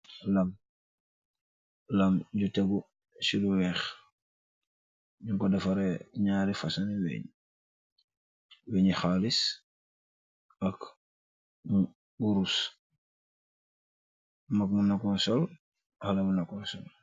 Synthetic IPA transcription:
laŋ | laŋɟuteɡu | siluwɛːx | ɲuŋkodafaɾeɲaːɾifasaniwɛ̰ɲ | weɲixalis | ak | mu | ɡuɾus | makmunakɔnsol | halamunakɔnsol

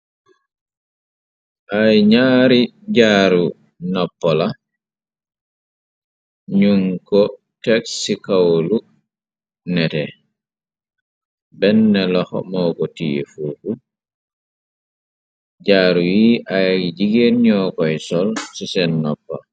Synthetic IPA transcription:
ʔajɲaːɾi | d͡ʒaːɾu | nɔpːɔla | ɲuŋkɔ | tɛksikawlu | nɛtɛ | bɛnːɛlɔhɔ̰mɔːkɔtifuʔu | d͡ʒaːɾujiːʔajid͡ʒiɡeɾɲɔːkɔjsɔlsisɛnːɔpːɔ̰l

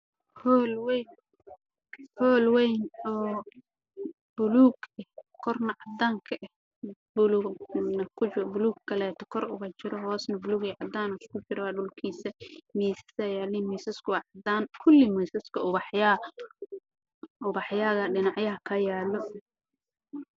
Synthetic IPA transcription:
hɔːlwɛjn | hɔːlwɛjnɔː | b̥ʊluːɡɛhkʰɔrnɐʕɑd̪aːŋkʰɐʔɛh | bʊlunɐkʰʊbʊluːɡkːʰɐlɛːt̪ʰɔ̥kʰɔrʊ̰ɣɐt͡ʃɪɾɔɦɔːsnɐbʊluːɡiʕɑd̪aːnʊskʰʊt͡ʃɪɾɔwaːɖʊlkʰiːsɐmiːsɐ̥sɐjaːlimɔjsɐskʰʊwʕɑd̪aːnkʰʊlːimɔjsɐskʰɐʊβɑħja | ʔʊβɑħjaːɣɐɖɪnɑʕjɐɦɐkʰɐjaːlɔ

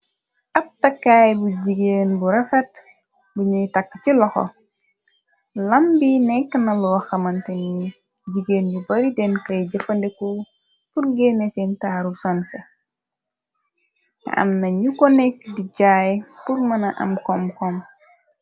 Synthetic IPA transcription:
ʔɐp̚tɐkːaːjbuɟiɡeːnbuɾɐfɛt̚ | buɲujtɐkːt͡ʃilɔxɔ̰ | lɐmbinɛkːənɐlɔːxɐmɐnteni | ɟiɡeːnjubɐɾidɛnkɐjɟɐfɐndɛko | purɡeːnɛtɛntaːɾusɐnse | kɐ̰ʔɐ̰mnɐɲukɔnɛk̚diɟajpurmɐnɐʔɐ̰mkɔmkɔm

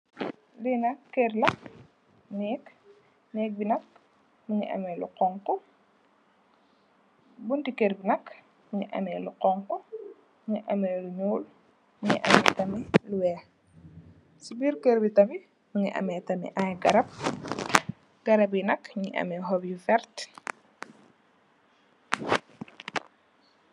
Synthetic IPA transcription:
linɐkːɛrlɐ | nɛːk | nɛːk̚binɐk̚ | muɲḭʔɐ̰mɛːluqɔŋkɔ | bundikerbinɐk | muɲḭʔɐ̰mɛluqɔŋkɔ | ɲiʔɐmɛːluɲuːl | muɲḭʔɐ̰mɛːtɐmiluwɛː | sibiːrkeɾbitɐfi | muɲiʔɐ̰mɛtɐmḭʔajɡɐɾɐp̚ | ɡ̥ɐɾɐb̬jinɐkɲḭʔɐ̰mɛɦɔbjifɛrt

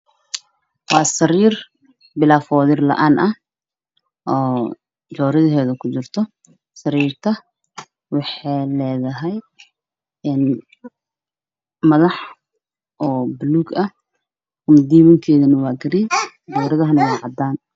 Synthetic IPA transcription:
wɑːsɐɾiːr | bɪlaːfɔːðɪrlɐ̰ʔaːnʔɐ | ʔɔː | d͡ʒɔːɾɪðɐɦɛːðɐkʰʊt͡ʃɪrt̪ʰɔ | sɐɾiːrt̪ʰɐ | wɑħɑlɛːðɐɦɛj | ɛn | mɐðɑħ | ʔɔːbluɡɐ | kʊmd̪iːmɐŋkʰɛːðɐnɐwɑːɡɐɾi | d͡ʒɔːɾɪðɐɦɐnɐwɑːʕɑd̪aːn

